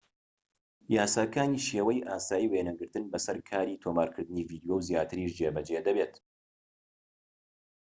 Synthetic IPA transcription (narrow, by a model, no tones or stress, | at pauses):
jaːsaːkaːniːʃeːwɐjʔaːsaːjiweːnɐɡɨɾt̪ɨnbɐsɐɾkʰaːɾiːt̪ʰoːmaːɾkʰɨɾd̪ɨniːviːd̪ijowzjaːt̪ʰɨɾiːʃd͡ʒebɐd͡ʒed̪ɐbet̪